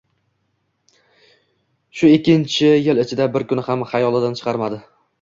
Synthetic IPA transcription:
ʃʊekʲːɪnt͡ʃʰɪjɪlɪt͡ʃʰɪd̪abɪɾkʊnɪhamhajɒlˠɪd̪ant͡ʃʰɨ̥qʰɑɾmad̪ɪ

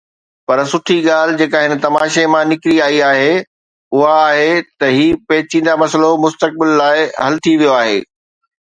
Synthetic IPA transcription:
pɐɾsʊʈʰiɠaːl̤ɪd͡ʑeːkaɦɪnə̆t̪ɐmaːʃemãnɪkɾiaːiaːɦe | ʊɦaːɦet̪ɐɦiːpɛːt͡ɕĩːnd̪amɐsəlomʊst̪ək̚bɪlːaːɪɦɐlt̪ʰiʋijoaːɦḛː

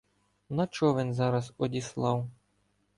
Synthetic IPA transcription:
nɐt͡ʃɔʋɪnzɑɾɐzɔdʲislˠɑw

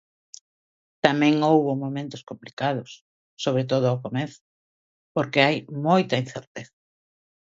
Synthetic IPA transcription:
t̪amɛ̃ŋowβʊmomẽnt̪ʊ̥skomplikað̞ʊsː | oβ̞ɾet̪̬oð̞ʊawkomeθʊ̥ | poɾkeajmojt̪ɐin̟θeɾt̪eθa

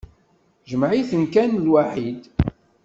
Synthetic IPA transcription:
ʒəmʕiθənkænlwaħid̪

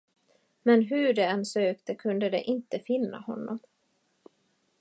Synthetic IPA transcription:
mɛnɦɵɖɛɛnsøːkt̪əkʰɵnd̪əd̪ɛ̰ʔɪnt̪əfɪnːa̰hɔnːɔ̰m

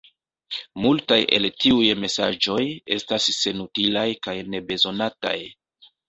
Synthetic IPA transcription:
multajʔe̞̰ltiujme̞sa̰d͡ʒo̞je̞stasːe̞nutilajkajne̞be̞zo̞nata̰j

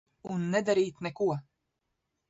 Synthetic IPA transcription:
unːɛd̪aɾiːt̪nɛkuɔ

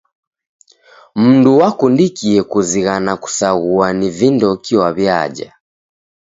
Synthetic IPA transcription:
m̩nduwakundikiɛkuziɣanaku̥saɣuanivindɔkiwaβjad͡ʒa̰

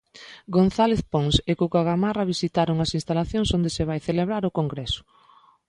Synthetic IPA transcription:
ɡonθaleθponsekukaɣamaraβisit̪aɾoŋɐsĩnst̪alaθjoŋsond̪eseβajθeleβɾaɾʊkoŋɡɾɛsʊ̥

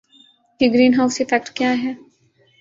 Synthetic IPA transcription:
keɡɾiːnɦaːʊsefɛk̚ʈkjaːɦɛː

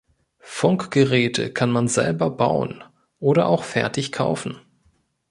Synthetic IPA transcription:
fʊŋkɡ̥əʁɛːtʰə̰kʰanmanzɛ̰lbɐbaʊə̰n | ʔoːɾɐʔaʊxfɛɐtɪçkʰa̰ʊfn̩

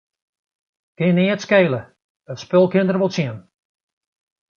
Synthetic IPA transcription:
kɪnɪːətskeːlə | ətspølˠkɪndərʋolˠsjiən

